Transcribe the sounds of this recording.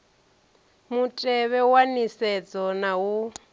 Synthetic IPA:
mutʼɛβɛwanisɛd͡zɔnawu

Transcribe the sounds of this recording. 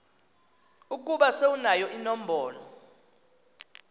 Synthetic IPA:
uk̬ʼuɓaseunajɔʔinɔm̩bʱɔːlɔ̰

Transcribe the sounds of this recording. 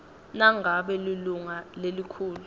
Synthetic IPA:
naŋaɓɛliluŋalelikʰuːlu

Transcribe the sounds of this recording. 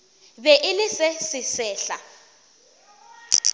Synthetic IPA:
βɛʔɪlɪsɛsɪsɛːɬa

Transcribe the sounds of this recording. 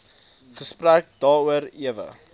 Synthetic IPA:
χəspræk̚dɑːuəɾiəvə̰

